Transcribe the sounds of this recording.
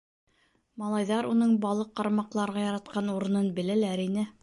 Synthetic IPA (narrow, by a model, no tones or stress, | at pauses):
mɑlˠɑjðɑɾunɤɴbɑlˠɤqːɑɾmɑqlˠɑɾʁɑjɑɾɑt̪̚qɑnuɾɤ̆nɤnbɘ̆lælæɾinɘ